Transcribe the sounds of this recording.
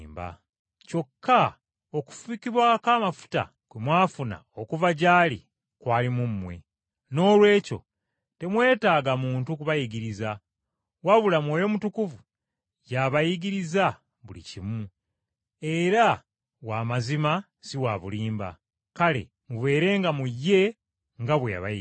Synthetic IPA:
mba̰ | co̞kʰːa | o̞ku̥fuikiβwakaːmafu̥ta̰ | kwemwaːfuna̰okuvaɟaːlḭ | kwaːlimumːwe̞̰ | no̞ːlwe̞ːco̞̰ | te̞mwe̞ːtaːɡamuːntukuβajiɡiɾiza | waβulamweːjo̞mutukuvu | jaβajiɡiɾiza | βulḭcimu | e̞ɾa | waːmazima | siwaβuliːmba̰ | kale̞̰ | muβe̞ːɾe̞ːŋɡamujːe̞ | ŋɡaβweja̰βa̰

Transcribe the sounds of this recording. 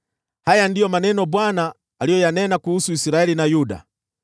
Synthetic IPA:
hajandijɔmanɛnɔbwanaː | lijɔjanɛnakuhusuisiɾaɛlinajuda̰

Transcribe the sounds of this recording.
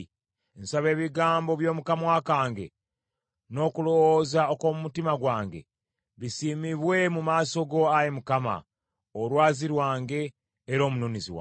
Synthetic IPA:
ensaβe̞ːβiɡaːmbo̞βjo̞ːmukamwaːkaːŋɡe̞̰ | no̞kulo̞wozaokomumutimaɡwaːŋɡe̞̰ | βisiːmiβwe̞mumaːso̞ɡo̞ajemukama̰ | oɾwaːziɾwaːŋɡe̞ː | ɾo̞ːmunoniziwa̰

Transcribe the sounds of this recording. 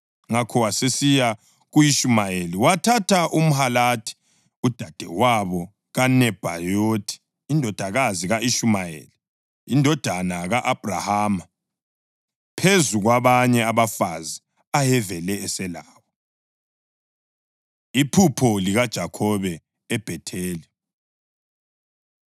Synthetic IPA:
ŋakʰɔwasesija | ɣujiʃumajeliwatʰatʰaʔum̩halatʰi̥ | ud̥ʱad̥ʱɛ̰waβɔ | ɣanɛb̥ʱa̰jotʰi̥ː | ndʱɔd̥ʱaɣaziɣaiʃumajḛli | indʱɔd̥ʱanaɣaʔab̥ʱra̰haːma | pʰezuɣwaβaɲɛaβafazi | ajɛvɛlɛɛsɛlaːwɔ | ipʰupʰɔliɣad̥ʒ̥ʱakʰɔβɛː | b̥ʱɛtʰeːli

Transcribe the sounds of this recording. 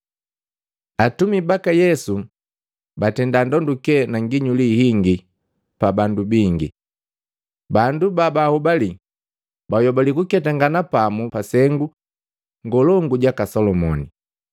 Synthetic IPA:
atumibakajɛsu | batɛndandɔndukɛnaŋɡiɲulihiŋɡi | pabandubiŋɡḭ | bandubabahubali | bajɔbalikukɛtaŋɡanapamupasɛŋɡu | ŋɡɔlɔŋɡuɟakasɔlɔmɔ̰ni

